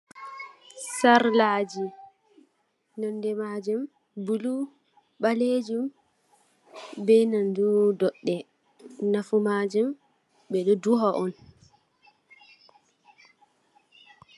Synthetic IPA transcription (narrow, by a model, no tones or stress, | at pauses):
saɾlad͡ʒi | nandɛmad͡ʒum | bulu | ɓaled͡ʒum | bɛnandudɔɗːɛ | nafumad͡ʒum | bɛɗɔduɦɔʔɔn